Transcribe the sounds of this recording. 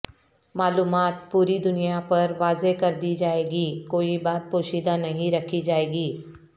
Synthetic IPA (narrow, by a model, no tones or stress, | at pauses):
maːluːmaːt̪̚puːɾid̪ʊnijapɐɾʋaːzekɐɾd̪iːd͡ʒaːeːɡiːkoːibaːt̪̚poːʃiːd̪anɐɦĩɾɐkʰid͡ʒaːeːɡiː